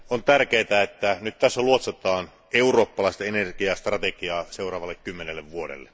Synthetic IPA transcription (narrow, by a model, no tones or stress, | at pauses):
ont̪ærkeːt̪æet̪ːænyt̪t̪æsːæluot̪set̪ˑɑːn | euroːpːɑlɑˑist̪ɑenerkiɑst̪rɑt̪ekiɑːseurɑːʋɑlːekkymːenelːeʋʋuodḛlːḛ